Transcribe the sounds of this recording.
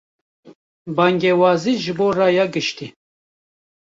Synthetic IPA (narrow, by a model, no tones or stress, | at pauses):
baŋɡewɑːziʒɨboːrɑjaɡɨʃt̪i